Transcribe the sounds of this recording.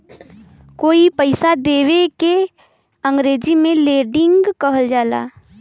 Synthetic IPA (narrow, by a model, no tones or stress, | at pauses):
koːipəɪsad̪eːweke | ə̃ŋɡɾeːd͡ʒimẽleːɖɪ̃ŋɡɡkəɦəld͡ʒaːla̰ː